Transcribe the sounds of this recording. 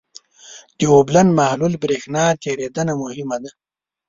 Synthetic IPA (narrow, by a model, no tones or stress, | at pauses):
d̪̥ioblanmahlulbɾexnɑt̪ʰeɾed̪anamʊhɪmad̪a